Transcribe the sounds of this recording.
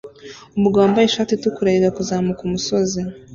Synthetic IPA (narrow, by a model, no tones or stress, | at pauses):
umuɡaːmbajeʃaːtitukuɾaiɡakuzaːmukumusoze